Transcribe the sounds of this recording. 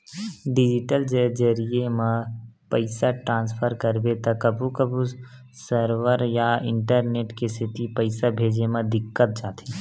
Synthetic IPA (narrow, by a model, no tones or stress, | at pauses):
ɖɪd͡ʒɪʈəld͡ʒəd͡ʒəɾiemẽpəɪsaʈɾãːnspʰəɾkəɾbet̪ɐkəbʱukəbʱu | səɾʋəɾjaɪ̃ɳʈəɾneːʈkest̪ʰɪt̪ipəɪsabʱeːd͡ʒemãd̪ɪkːət̪̚d͡ʒaːt̪i